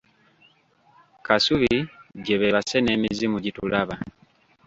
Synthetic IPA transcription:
kasuβiɟe̞βe̞βasene̞ːmizimuɟitulaβa

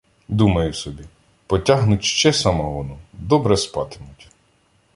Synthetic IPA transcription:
d̪umɐjʊsɔbʲi | pɔtʲaɦnʊtʲʃt͡ʃɛsɑmɔʋɔnud̪ɔbɾɛspɑt̪ɪmʊtʲ

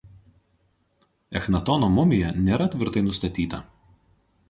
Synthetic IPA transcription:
ɛxnɐt̪ɔːnomʊmʲɪjɛnʲeːɾɐt̪ʲʋʲɪɾt̪ɐɪnʊst̪ɐt̪ʲiːt̪ɐ̰

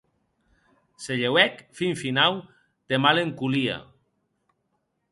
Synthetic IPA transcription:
seʎewɛkfiɱfinaw | d̪̥emaleŋkulia̰

